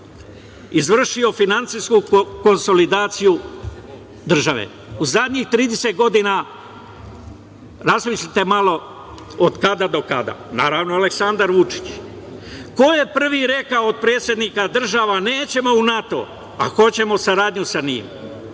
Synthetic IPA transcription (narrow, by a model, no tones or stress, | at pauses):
izʋr̩ʃio̞finant̪siskuko̞nso̞lid̪aːt̪siju | d̪r̩ʒaʋḛ | uzad̪ɲixt̪ɾiːd̪eset̪̚ɡo̞d̪ina | ɾasmit͡ʃit̪e̞malo̞ | od̪kad̪ad̪o̞kad̪a̰naːɾaʋnoaleksand̪aɾʋut͡ʃi̥t͡ɕ | ko̞je̞pr̩ʋiɾe̞kaood̪̚pɾe̞ːt̪sje̞d̪nikad̪r̩ʒaːʋane̞ːt͡ɕe̞mo̞unat̪o̞̰ | a̰xo̞t͡ɕe̞mo̞saɾaːd̪ɲusanḭːm